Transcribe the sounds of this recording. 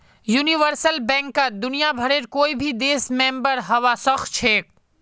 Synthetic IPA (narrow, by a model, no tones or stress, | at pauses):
juːniʋəɾsəlbɛ̃ːŋkːad̪ʊnijabʱɐɽeːɾkoːibʱid̪eːsmẽːmbəɾɦɐʋasɐxt̪t͡ʃʰeːk̚